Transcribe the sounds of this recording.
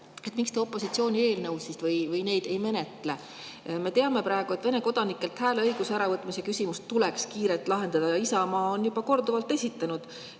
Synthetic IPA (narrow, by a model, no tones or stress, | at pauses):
e̞t̪ˑmikst̪eo̞pːˑo̞sit̪sio̞ːnʲie̞ːlnɤwsist̪vɤjvɯjne̞jd̪̥e̞jme̞ne̞t̪ːˑle̞ | me̞t̪e̞ɑme̞pɾɑˑe̞ɡ̥uet̪ve̞ne̞ko̞d̪̥ɑnikːˑelt̪hæːleɤjɡuseæɾɑvɤt̪ːˑmise̞kysʲimust̪ːulekskiːɾelt̪ːˑlɑɦe̞nd̪̥ɑd̪ɑjɑisɑmɑːonjub̥ɑko̞rd̪uvɑlt̪ːe̞sʲit̪ːˑɑnud̪̥